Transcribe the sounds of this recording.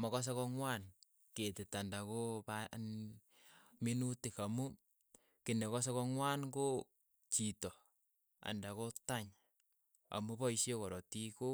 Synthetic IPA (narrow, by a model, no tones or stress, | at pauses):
mɔkɔs̬ekɔŋwan | ketɪtandakopa | minutɪkamu | kɪnekɔs̬ekɔŋwanɡo | t͡ʃitɔ | a̰ndakotaɲ | a̰mubɔiʃekɔɾɔtiko